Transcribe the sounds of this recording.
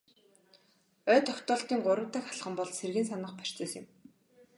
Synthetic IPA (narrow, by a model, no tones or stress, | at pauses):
œːt̪ʰɔkt̪ɔːɬt̪iːŋɢʊɾə̆wt̪ə̆xχaɮχə̆mpɔɮserɣɘ̆ns̬anə̆χpær̥ʲt͡sə̆ːsɪ̰̆m